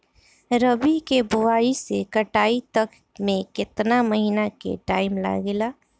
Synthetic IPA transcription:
ɾəbikebʊaːisekəʈaːit̪ɐk | mẽkɪt̪naməɦiːnakḛʈaːɪmla̰ɡelaː

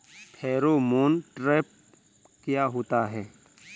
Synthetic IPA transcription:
pʰɛːɾomoːnʈɾeːp̚ | kɪjaɦoːt̪aɦɛː

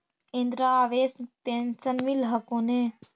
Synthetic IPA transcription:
ind̪ɾaʋeːspensənmilɦɐkone

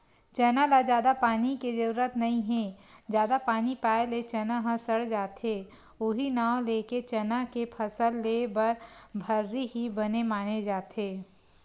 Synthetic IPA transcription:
t͡ʃɐnalad͡ʒjaːd̪apaːniked͡ʒəɾuɾət̪nɐɦĩɦɛ̃d͡ʒjaːd̪apaːnipaːelet͡ʃɐnaɦɐ̃səɽd͡ʒaːt̪eː | ʊɦinaːõleːket͡ʃɐnakepʰəsəlːeːbɐɾbʱəɾːiɦibɐnemaːned͡ʒaːt̪eː

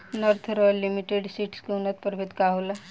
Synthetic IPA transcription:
nɔɾt̪ʰɾɔjlːimiʈeɖsiːʈskeunːət̪̚pəɾbʱet̪kaɦula

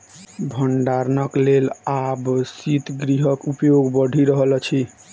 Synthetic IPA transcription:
bʱəɳɖaɾnəklelabsit̪ɡɾiɦəkupjoɡbəɖʱiɾəɦlt͡ʃʰi

